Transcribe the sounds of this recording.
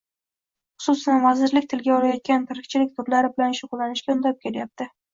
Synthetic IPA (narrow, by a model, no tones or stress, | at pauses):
χʊ̥sʊsanvazɪɾlɪk̚ʲt̪ʰɪlɡʲaɒɾajɒt̪̚kʲant̪ʰɪɾɪk̚ʲt͡ʃʰɪlɪk̚ʲt̪ʰʊɾlaɾɪbɪlanʃʊqʊlːanɪʃkʲaʊnd̪ap̚kʲʰe̞ljap̚t̪ʰɪ